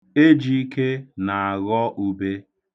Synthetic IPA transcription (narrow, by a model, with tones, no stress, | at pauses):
e˦d͡ʒi˦i˦ke˦na˨a˨ɣɔ˦ʔu˦be˦